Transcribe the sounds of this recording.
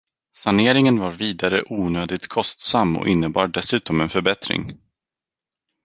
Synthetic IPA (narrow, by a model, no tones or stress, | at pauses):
saneːɾɪŋənvaɾviːd̪aɾəʔuːnøːd̪ɪɡ̚t̪kʰɔst̪samːɔ̰ʔɪnːəbɑːɖɖɛsʉ̟ːt̪ɔmɛnfœɾbɛt̪ɾɪ̰ŋ